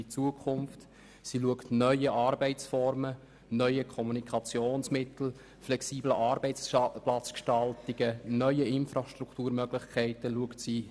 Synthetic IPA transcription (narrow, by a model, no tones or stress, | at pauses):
it͡suəkʰʊmft | siluəktnœʏəʔɑːɾbɛɪt͡sfɔɾmə | nœʏəkʰɔmunikʰɑt͡sjoːnsmɪt̪l̩ | flɛksiːbləʔɑːɾbɛɪt͡splat͡skʃtɑltiɡ̥ənœʏəɪnfɾaʃt̪ruktuːɾmœɡlɪχkʰæɪtəluəktsiː